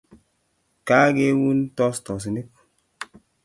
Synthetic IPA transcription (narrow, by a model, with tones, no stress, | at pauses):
ka˦ɡe˦wu˦ntɔ˦stɔ˨s̬i˨ni˦k̚